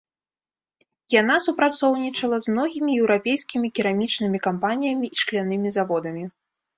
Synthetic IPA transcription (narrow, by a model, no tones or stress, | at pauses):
janasupɾat̪sɔwnʲit͡ʂɐlˠɐzmnɔɣʲimʲijɛwɾapʲejskʲimʲikʲiɾamʲit͡ʂnɨmʲikampanʲijɐmʲiiʂklʲanɨmʲizavɔd̪ɐmʲi